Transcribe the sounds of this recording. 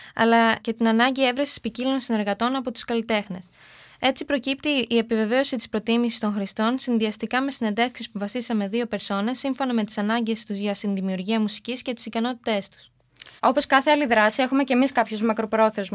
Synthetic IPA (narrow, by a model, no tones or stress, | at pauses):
ɐ̰lɐce̞t̪inɐnɐɲɟie̞vɾesi̥spicilionsine̞ɾɣɐt̪o̞nɐpo̞t̪u̥skɐlit̪e̞xne̞s | e̞t͡sipɾo̞cipt̪iːe̞pive̞ve̞o̞sit̪i̥spɾo̞t̪imisi̥st̪õ̞ŋxɾist̪o̞nsinðiɐst̪ikɐme̞sine̞nd̪e̞fksispuvɐsisɐme̞ðio̞pe̞ɾso̞ne̞sːiɱfo̞nɐme̞t̪i̥sɐnɐɲɟe̞st̪uzʝɐst̪inðimiuɾʝiɐmusi̥cisce̞t̪i̥sikɐno̞t̪it̪e̞st̪u̥s | o̞po̞skɐθe̞ɐliðɾɐsie̞xume̞ce̞miskɐpçozmɐkɾo̞pɾo̞θe̞zm